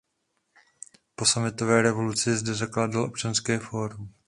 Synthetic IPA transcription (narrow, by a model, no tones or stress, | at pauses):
po̞samɪt̪ovɛːɾɛvo̞lut͡sɪzdɛzaklaːdalʔo̞p̚t͡ʃanskɛːfoːɾum